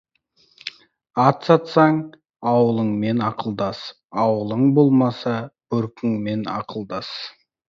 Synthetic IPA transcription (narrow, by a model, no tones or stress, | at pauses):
ɑt̪sɑt̪sɑɴ | ɑwəlˠəŋmenɑqʰəlˠd̪ɑs | ɑwəlˠəɴbo̞lˠmɑsɑb̥ɵɾkʲɪŋme̞nɑ̰qʰəlˠd̪ɑs